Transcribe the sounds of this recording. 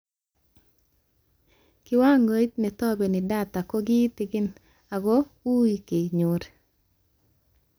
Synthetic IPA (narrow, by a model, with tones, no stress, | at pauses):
kɪ˦wa˦ŋo˦t̚nɛ˨t̪ɔ˦be˨nɪ˨da˦t̪a˨kɔ˦ɡɪ˦t̪ɪ˨ɡɪ˦n | a˨ɡɔ˦ | u˦i˨ke˨ɲo˨ɾ